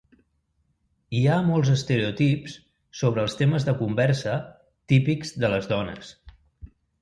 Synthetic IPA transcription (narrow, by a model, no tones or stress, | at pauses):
iamɔlˠzəst̪əɾeut̪ips | soβɾəːlˠst̪eməzðəkumbɛɾsə | t̪ipiɡz̥ðələzðɔnə̰s